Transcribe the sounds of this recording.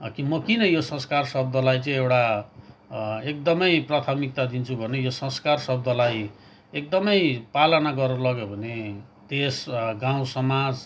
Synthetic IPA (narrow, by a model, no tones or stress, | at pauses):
kimʌkinʌjosʌ̃skarsʌb̚d̪ʱʌlajt͡sʌĩewʈa | ek̚d̪ʌmʌjprat̪ʰamik̚t̪ad̪int͡sʰubʱʌnejosʌ̃skarsʌb̚d̪ʱʌlaj | ek̚d̪ʌmʌjpalʌnaɡʌrʌlʌɡjobʱʌne | d̪esɡãwũsʌmad͡z